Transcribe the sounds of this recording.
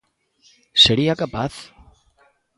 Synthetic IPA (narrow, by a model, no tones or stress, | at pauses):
seɾiakapaθ